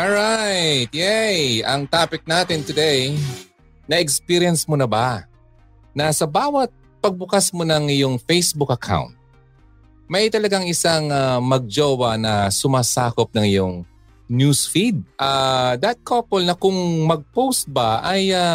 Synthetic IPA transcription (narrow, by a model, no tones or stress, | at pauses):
ɔɹajt̪̚jɛjɐŋt̪aːpɪk̚naːt̪ɪnt̪ʊd̪ej | nɐʔɛkspiɾijɐnsmonɐba | nɐsɐbaːwɐt̪̚ | pɐɡ̚bʊkasmonɐŋɪjoŋfejsbʊkɐkʰa̰wnt̪̚ | mɐjt̪ɐlɐɡaŋɪsaŋamɐɡ̚d͡ʒoːwɐnɐsʊmaːsaːkop̚nɐŋɪjoŋ | njusfid̪̚ʔad̪ɐt̪̚kʰopɛlnɐkʊŋmɐɡ̚powst̪̚bɐʔaja